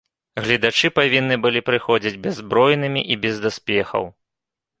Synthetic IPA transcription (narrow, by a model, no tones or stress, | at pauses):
ɣlʲid̪at͡ʂɨpavʲinːɨbɨlʲipɾɨxɔd͡zʲid͡zʲbʲɛzːbɾɔjnɨmʲiʔibʲɛzd̪aspʲɛxɐ̰w